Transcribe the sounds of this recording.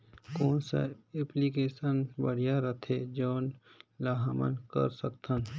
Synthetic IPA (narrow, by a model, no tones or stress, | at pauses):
koːnsa̰eplikeːsənbəɽijaɾət̪ʰed͡ʒoːnlaɦmə̰nkə̰ɾsəkt̪ʰən